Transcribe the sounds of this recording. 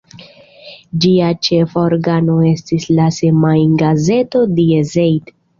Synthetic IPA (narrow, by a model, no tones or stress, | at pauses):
d͡ʒiat͡ʃe̞foɾɡano̞e̞stislasemajnɡaze̞to̞diezejd